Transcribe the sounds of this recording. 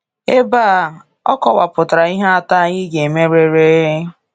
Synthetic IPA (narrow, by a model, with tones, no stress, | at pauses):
e˦baː˦˨ | ɔ˦kɔ˨wa˨pʊ˨ta˨ɾa˨˦i˦ɦe˦a˦ta˦ɣɪ˦ɡe˨me˦ɾe˦ɾe˦